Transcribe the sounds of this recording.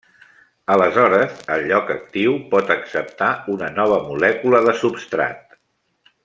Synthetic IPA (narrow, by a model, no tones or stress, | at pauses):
ələzɔɾəzəlʎɔkək̚t̪iwpɔt̪əksəp̚t̪aunənɔβ̞əmulɛkuləðəsupst̪ɾa̰t̪